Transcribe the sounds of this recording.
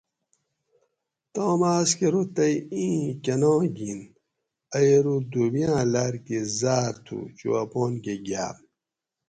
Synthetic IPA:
t̪oːmaːskeɾut̪ɐjĩːkɐnõːɡin | ɐjeɾud̪ubijãːlaɾkezaːɾt̪ʰṵt͡ɕṵwɐpoːnkeɡa̰ː

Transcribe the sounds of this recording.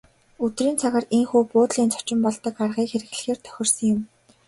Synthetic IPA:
ɵt̪riːnt͡sʰaɣăreŋxuːpʊːt̪ɮiːnt͡sʰɔ̥t͡ɕɪ̆mpɔɮt̪ɞ̆karʁiːkxeɾɘ̆ɣɮɘ̆xeːrt̪ʰœ̥xʲɪ̆rsə̆ŋjʊ̆m

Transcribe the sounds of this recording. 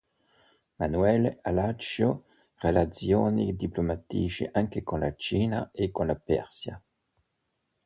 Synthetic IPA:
manwɛlalat͡ʃjo | ʁelat͡sjoːnḭd̪iplomat̪iʃḭʔaŋkekonlat͡ʃiːnaekõnlapɛ̰ɾsja̰

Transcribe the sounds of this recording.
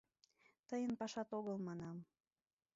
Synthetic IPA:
t̪əjənpɑʃɑt̪oɣəlmɑnɑm

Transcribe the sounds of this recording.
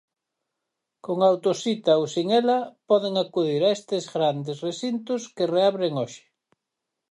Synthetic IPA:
koŋawt̪osit̪aowsiŋɛlɐpɔðeŋakuð̞iɾaest̪ezɣɾand̪esresint̪ʊskereaβɾeŋoʃɪ̥

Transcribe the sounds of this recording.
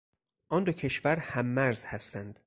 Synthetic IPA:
ʔɒnd̪ocʰe̞ʃvæɾhæmːæɾz̥hæst̪ænd̪̥

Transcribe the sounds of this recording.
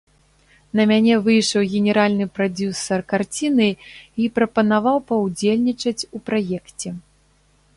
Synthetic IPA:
nɐmʲanʲɛvɨjʂɐwɣʲɛnʲɛɾalʲnɨpɾad͡zʲusɐrkart͡sʲinɨipɾɐpɐnavawpɐwd͡zʲelʲnʲit͡ʂɐt͡sʲupɾajɛkt͡sʲɛ

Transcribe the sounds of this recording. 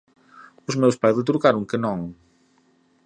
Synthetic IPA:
ʊzmewspajzðɪt̪uɾkaɾʊ̃ŋkɨnõŋ

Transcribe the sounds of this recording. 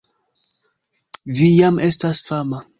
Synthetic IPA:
vijamʔe̞stasfama

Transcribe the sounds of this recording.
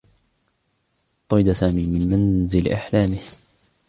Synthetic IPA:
t̪ˤːɑjd̪asaːmiːmɪnmanzɪlʔa̰ħlaːmɪh

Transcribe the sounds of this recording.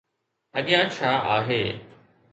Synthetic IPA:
əɠɪjãːt͡ʃʰaːʔaːɦeː

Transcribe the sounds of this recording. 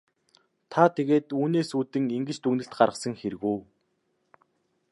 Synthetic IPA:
t̪ʰat̪ʰeɣeːt̪uːneːsuːt̪ɘ̆ŋiŋɡɘ̆t͡ɕt̪uɣnɘ̆ɬt̪̚ɢarʁə̆sə̆ŋxeɾ̆ɣuː

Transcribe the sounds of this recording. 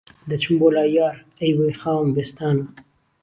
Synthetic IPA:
d̪ət͡ʃʰumbolɑːjɑːɾ | ejwexɑːmbest̪ɑːn

